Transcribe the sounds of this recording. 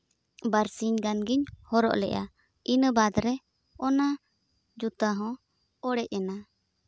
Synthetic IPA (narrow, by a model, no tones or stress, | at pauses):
baɾsiɲɡanɡiɲhɔɾɔ̰ʔlɛ̰ʔa̰ | inəbad̪ɾɛ | ɔna | d͡ʒut̪aɦɔ̃ | ɔɽɛʔɛna